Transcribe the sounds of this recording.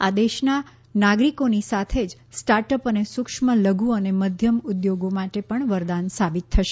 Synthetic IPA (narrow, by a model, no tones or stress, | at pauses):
ad̪eʃna | naɡɾikonisat̪ʰed͡ʒ | sʈaɾʈəpənesʊkʃmələɡuəneməd̪ʱjəmʊd̪joɡomaʈepəɳʋəɾd̪ansabit̪ʰːəʃe̥